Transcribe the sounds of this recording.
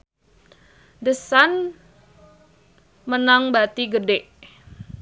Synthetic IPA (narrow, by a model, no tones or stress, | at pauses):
dəsan | mənaŋbat̪iɡədeʔ